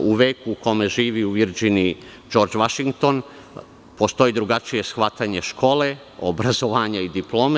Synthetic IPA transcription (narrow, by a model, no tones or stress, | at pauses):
uʋeːkuːko̞me̞ʒiːʋiuʋiɾd͡ʒini | d͡ʒo̞ɾd͡ʒʋaʃiŋɡ̚t̪o̞n | po̞st̪o̞id̪ɾuɡat͡ʃije̞sxʋat̪aɲe̞ʃko̞ːle̞ | obɾazo̞ʋaːɲaid̪iplˠo̞ːm